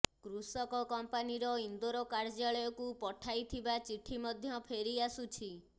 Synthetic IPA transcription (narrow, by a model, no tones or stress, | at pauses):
kɾusɔkɔkɔmpaniɾɔind̪oɾɔkaɾd͡ʒaɭɔjɔkupɔʈʰajt̪ʰibat͡ʃiʈʰimɔd̪ʱjɔpʰeɾiasut͡ʃʰi